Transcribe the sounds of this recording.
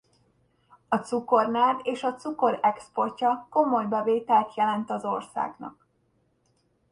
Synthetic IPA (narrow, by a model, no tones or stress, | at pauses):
ɒt̪suko̞rnaːd̪eːʃɒt̪suko̞ɾɛkspo̞rcɒko̞mo̞jbɛveːt̪ɛlt̪jɛlɛnt̪ɒzo̞rsa̰ːɡnɒ̰k̚